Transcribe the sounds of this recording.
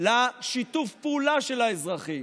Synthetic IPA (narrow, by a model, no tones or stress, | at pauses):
laʃit̪ufpeulaʃelaezʁaχim